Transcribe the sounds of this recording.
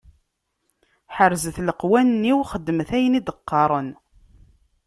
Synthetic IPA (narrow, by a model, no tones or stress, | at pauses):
ħəɾzəθləqwænːiwχəd̪ːəmθæjnid̪əqːɑɾˤən